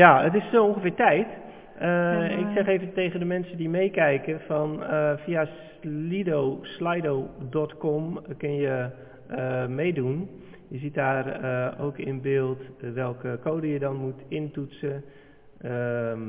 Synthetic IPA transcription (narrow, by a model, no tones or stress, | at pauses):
jaətɪsoonxəfɪːɹtɛjt | əɪksɛxeːvəteːɣəndəmɛnsədimeːkɛjkəfɔnəfias | lidoslajdowdɔtkɔmkɪnjə | əmeːdun | jəzit̚daːro̰ːkɪ̰nəbɪːlˠtʋɛlˠkəkoːdəjədɔnmutɪntutsə | ə